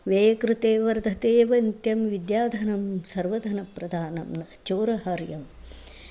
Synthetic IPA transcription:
ʋeːjɐkɾɨt̪eːʋɐɾd̪ʱɐt̪eːʋɐnt̪jɐmʋid̪jaːd̪ʱɐnɐmsɐɾʋɐd̪ʱɐnɐpɾɐd̪ʱaːnɐmnɐt͡ʃoːɾɐɦɐɾjɐm

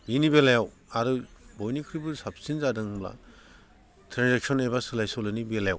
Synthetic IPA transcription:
minibelajaw | aɾɯbɔjnikʰɾibɯsap̚sinzadɯŋbla̰ | tʰɾanzak̚sɔnebasɯlajsɔlɯnibelajaw

